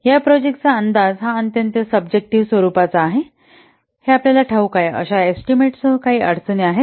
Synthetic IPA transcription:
japɾɔd͡ʑek̚ʈt͡saənd̪ad͡zɦãənt̪jənt̪əsəbd͡ʑek̚ʈiʋsʋəɾuːpat͡saːɦe | heapljalaʈʰaukajə̰ɕaesʈimeʈsəkaɦiːʔə̰ɽ̤t͡səneaɦe

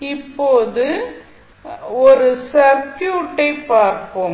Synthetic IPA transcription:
ɪpːoːðɯ | ɔɾɯsɐɾkjuːʈːɐɪpːaːɾko

